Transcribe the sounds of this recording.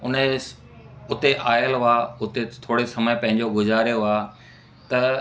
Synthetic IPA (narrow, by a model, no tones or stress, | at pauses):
ʊn | ʊt̪eʔaːjəlaːʊt̪et̪ʰoːɽesɐməjpɐ̃ɦɪ̃ɲd͡ʑoɡʱʊzaːɾjoɦaː | t̪ɐ